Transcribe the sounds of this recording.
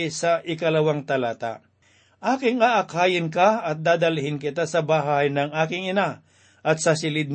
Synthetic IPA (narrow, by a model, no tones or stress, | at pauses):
jsɐʔɪkɐlɐwaŋt̪ɐlaːt̪a̰ | ʔaːkɪŋaːʔɐkhaːjɪnkaɐt̪̚d̪aːd̪ɐlhɪnkɪt̪asɐbaːɦahɐjnɐŋʔaːkɪŋɪna | ʔɐt̪̚sɐsɪlɪd̪̚n